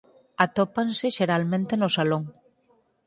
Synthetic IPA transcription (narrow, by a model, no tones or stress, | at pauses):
at̪opanseʃeɾalmẽnt̪enosaloŋ